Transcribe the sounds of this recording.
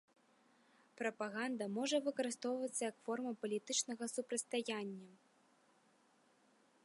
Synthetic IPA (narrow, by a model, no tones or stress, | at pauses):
pɾɐpaɣand̪ɐmɔʐɐvɨkɐɾɨst̪ɔwvɐt̪sːɐjɐkfɔrmɐpɐlʲit̪ɨt͡ʂnɐɣɐsupɾɐt̪st̪ajanʲːɐ